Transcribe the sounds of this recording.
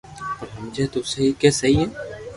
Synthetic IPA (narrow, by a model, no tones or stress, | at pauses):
pɐɾɦɐmd͡ʒɐt̪osɐɦikɛsɐɦiɦɛː